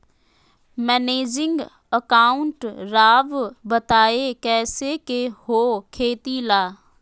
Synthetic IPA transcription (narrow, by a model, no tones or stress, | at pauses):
mɛːneːd͡ʒɪŋɡ | əkaːʊɳʈɾaːʋbət̪aːekɛːsekehoːkʰeːt̪ilaː